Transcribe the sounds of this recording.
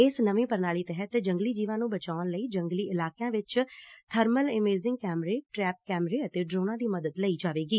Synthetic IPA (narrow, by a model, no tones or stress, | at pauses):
ɪsnəʋĩːpəɾnaːliːt̪ɛɦət̪d͡ʒəŋɡliːd͡ʒiːʋãːnũːbət͡ʃaːnləiːd͡ʒəŋɡliːɪlaːkjãːʋɪt͡ʃt̪ʰəɾməlɪmeːzɪ̃ŋɡkɛːmɾeːʈɾɛːp̚kɛːmɾeːət̪eːɖɾoːnãːd̪iːməd̪əd̪ləiːd͡ʒaːʋeːɡiː